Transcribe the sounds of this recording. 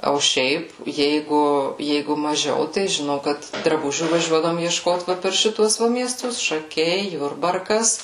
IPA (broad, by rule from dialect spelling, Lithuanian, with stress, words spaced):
oː ˈʃʲɛɪp ˈjɛɪɡʊ ˈjɛɪɡʊ mɐˈʒʲɛʊ tɐɪ ʒʲɪˈnɐʊ kɐt drɐˈbʊʒʲuː ʋɐˈʒʲuɔdɐʋoːm iɛʃˈkoːt ˈʋɐ pʲɛr ˈʃʲɪtuɔs ˈʋɐ mʲiɛˈstʊs ʃɐˈkʲɛɪ ˈjʊrbɐrkɐs